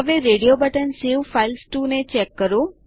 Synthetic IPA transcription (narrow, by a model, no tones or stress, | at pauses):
əʋeɾeːɖijobəʈənseʋfaɪlsʈunet͡ʃɛːkːəɾũ